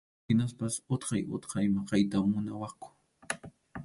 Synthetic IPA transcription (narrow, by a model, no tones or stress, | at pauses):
ɪnaspasʊt̪qɑjʔʊ̰t̪qɑjmɑqɑjt̪aːʊnawɑχkʊ̥